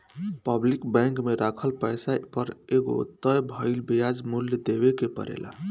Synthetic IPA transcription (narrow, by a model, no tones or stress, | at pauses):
pəblikbɛ̃ŋkmeɾakʰəlpəjsapəɾeɡo̰t̪əjbʱəɪlbijad͡ʒmuljəd̪ebekepə̰ɾḛla̰